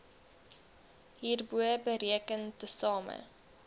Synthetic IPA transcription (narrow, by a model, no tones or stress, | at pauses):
ɦiːrbuəbəɾiəkəntəsɑːmə̰